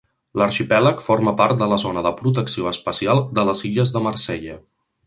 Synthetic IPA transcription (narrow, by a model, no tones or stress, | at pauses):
ləɾʃipɛləkfoɾməpaɾrt̪̚d̪ələzonəðəpɾut̪̬əksioəspəsialˠd̪ələziʎəzðəməɾsɛʎə